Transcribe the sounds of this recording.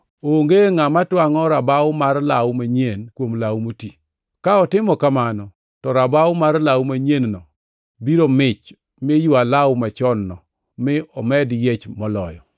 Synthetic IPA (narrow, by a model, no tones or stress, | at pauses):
oŋɡeŋamatwaŋɔɾabawʊmarlawmaɲenkwomlawmoti | kaɔtɪmɔkamanɔ | tɔɾabawʊmarlawmaɲennɔ | biɾomɪt͡ʃ | mejualawʊmat͡ʃɔnːɔ | mɪɔmɛdjet͡ʃmɔlɔjɔ̰